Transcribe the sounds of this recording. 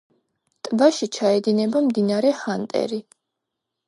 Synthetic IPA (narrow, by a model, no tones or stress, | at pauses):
t̪ʼvaʃit͡ʃʰaɛd̪inɛbamd̪inaɾɛhant̪ʼɛ̰ɾi